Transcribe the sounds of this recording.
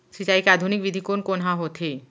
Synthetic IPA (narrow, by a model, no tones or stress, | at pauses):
sit͡ɕajkad̪ʱunik̚bid̪ʱikonkonɦaɦot̪ʰe